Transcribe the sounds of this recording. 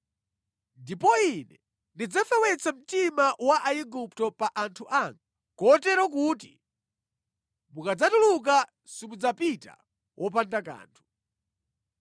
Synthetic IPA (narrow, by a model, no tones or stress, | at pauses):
ndipɔinɛ | ndid͡zafɛwɛt͡sam̩timawaʔaiɡup̚tɔpaʔantʰuʔaŋɡa | kɔtɛɾɔk̬uti | mukad͡zatuluk̬a | simud͡zapita̰ | wʔɔpandaka̰ːntʰu̥